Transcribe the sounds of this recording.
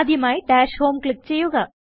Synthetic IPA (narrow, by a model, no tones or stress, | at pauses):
d̪ʱjɐmaːjiʈaːʃhoːmkɭɪk̚t͡ɕejːuɣɐ